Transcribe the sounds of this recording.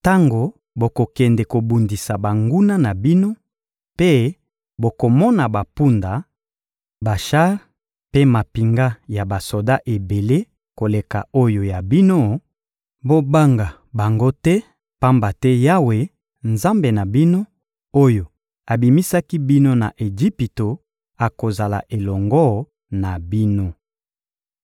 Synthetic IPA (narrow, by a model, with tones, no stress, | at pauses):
ta˦ŋɡo˨ | bo˨ko˨kɛ˨ndɛ˨ko˨bu˨ndi˨sa˨ba˨ŋɡu˦na˦na˨bi˦no˦ | pe˦ | bo˨ko˨mɔ˦na˨ba˨pu˦nda˨ | ba˨ʃa˦ʁ | pe˦ma˨pi˨ŋɡa˦ja˨ba˨so˨da˦ʔe˨be˨le˦ | ko˨le˨ka˨o˦jo˨ja˨bi˦no˦ | bo˦ba˦ŋɡa˨ | ba˨ŋɡo˦tɛ˦ | pa˦mba˨tɛ˦ja˦we˨ | nza˦mbe˨na˨bi˦no˦ | o˦jo˨ | a˨bi˨mi˦sa˦ki˦bi˦no˦na̰˨ʔe˨ʒi˦pi˨to˨ | a˨ko˨za˨la̰˨ʔe˨lɔ˨ŋɡɔ˦ | na˨bi˦no˦